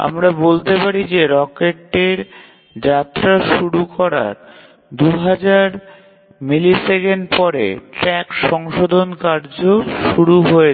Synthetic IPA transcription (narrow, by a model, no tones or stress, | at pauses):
a̰mɾabolt̪epaɾid͡ʑeɾɔkeʈːeɾ | d͡ʑat̪ːɾaʃuɾukɔɾa̰ɾ | d̪uɦad͡ʑaɾ | milisekenɖpɔɾḛʈɾɛkʃɔŋʃod̪ʱonkaɾd͡ʑoʃuɾuɦoe